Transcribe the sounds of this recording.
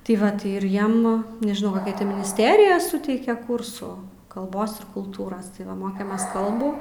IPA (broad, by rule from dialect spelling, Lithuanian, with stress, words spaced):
tɐɪ ˈʋɐ tɐɪ ɪr ˈjiɛm nʲɛʒʲɪˈnɐʊ koːˈkʲɛ ˈtʲɪ mʲɪnʲɪsʲˈtʲæːrʲɪjɛ ˈsʊtʲɛɪkʲeː ˈkʊrsuː kɐlˠˈboːs ɪr kʊlˠˈtuːrɐs tɐɪ ˈʋɐ ˈmoːkʲeːmʲeːs ˈkɐlˠbuː